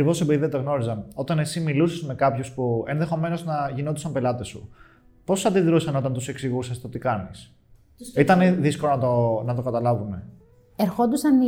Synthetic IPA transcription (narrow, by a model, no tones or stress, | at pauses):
ɐkɾivo̞sebiðieɐt̪oɣno̞ɾizɐno̞t̪ɐne̞similusezme̞kɐpçuspuenðe̞xo̞me̞no̞znɐʝino̞t̪i̥sɐmpe̞lɐt̪e̞sṵ | po̞sɐd̪iðɾusɐno̞t̪ɐnt̪use̞ksiɣusest̪ot̪ikɐnis | it̪ɐneðiskolonɐt̪onɐt̪o̞kɐt̪ɐlɐvume̞ | eɾxond̪usɐn